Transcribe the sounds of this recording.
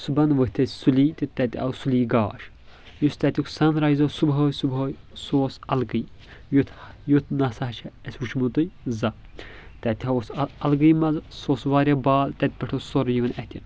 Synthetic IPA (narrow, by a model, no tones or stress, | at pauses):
subɐnʋəht̪ʰɐsʲsuliːt̪ʲit̪ɛt̪ʲiɐ̰suliːɡaːʃ | just̪ɛt̪ʲukʰsɐnɾɐjzoːsubɦoːjsubɦoːj | soːsɐlɡɨjjut̪ʰjut̪ʰnɐsɐɦɐt͡ʃʰɐɛsʲʋut͡ʃʰmut̪ɨjzɐ | t̪ɛt̪ʲhɐosɐlɡɨjmɐzsoːsʋaːɾʲɐbaːlt̪ɛt̪̚ʲpʲɐʈʰosoɾjiʋɐnɛt̪ʲʰin